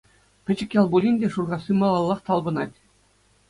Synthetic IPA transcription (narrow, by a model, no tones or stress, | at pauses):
pʲɘ̆t͡ɕɘ̆kʲjɑlˠbulʲinʲdʲeʂurʁɑsʲimɑlˠɑlˠːɑχt̪ɑlˠbɤ̆nɑtʲ